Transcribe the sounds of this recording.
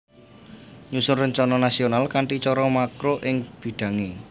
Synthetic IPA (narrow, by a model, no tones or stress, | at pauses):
ɲusʊrəɲt͡ʃɔnɔnasionalkaɳʈit͡ʃɔɾɔmakɾoʔɪŋb̥i̤ɖ̪̥ä̤ŋe